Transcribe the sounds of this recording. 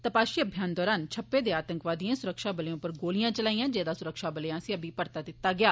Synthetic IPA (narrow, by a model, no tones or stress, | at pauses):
t̪əpaːʃiːəbʱjaːnd̪ɔːɾaːnt͡ʃʰəpːeːd̪eːaːt̪əŋkʋaːd̪ijãːsʊɾəkʃaːbəleõːpəɾɡoːlɪjãːt͡ʃəlaːijãːd͡ʒeːd̪aːsʊɾəkʃaːbəlejãːsiːəbiːpəɾt̪aːd̪ɪt̪ːaːɡɪjaː